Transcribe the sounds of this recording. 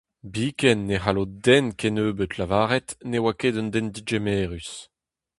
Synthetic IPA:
biːkɛnːeɦalod̪ɛnkenøːbøt̪lavaːʁɛt̪newakedɔnd̪ɛnd̪id͡ʒemeːʁys

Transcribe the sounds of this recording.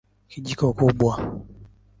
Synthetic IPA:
kʰid͡ʒikɔkoɡ͡bwa

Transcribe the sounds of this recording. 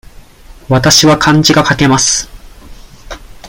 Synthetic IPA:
βat̪aɕiβakʰãɲ̟d͡ʑiɡakake̞masɨ̥

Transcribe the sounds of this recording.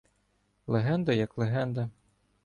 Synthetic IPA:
lˠeɦɛnd̪ɐjɐklˠeɦɛnd̪ɐ

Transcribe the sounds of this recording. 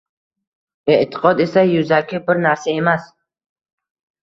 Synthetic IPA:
eʔt̪ʰɪ̥qʰɒd̪e̞sajʊzakʲʰɪbɪɾnaɾsae̞mas

